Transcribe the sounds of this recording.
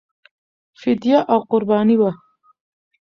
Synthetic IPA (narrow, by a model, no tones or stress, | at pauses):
fɪd̪jaʔawqʊɾbɑːniwa